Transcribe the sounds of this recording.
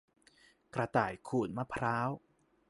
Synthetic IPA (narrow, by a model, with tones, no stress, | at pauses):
kɾa˧t̪aː˨˩jkʰuː˨˩n̚ma˦˧˥pʰɾaː˦˥w